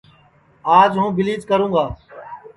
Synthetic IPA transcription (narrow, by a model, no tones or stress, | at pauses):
aːd͡ʒɦũːbɪliːd͡ʒkəɾũːɡaː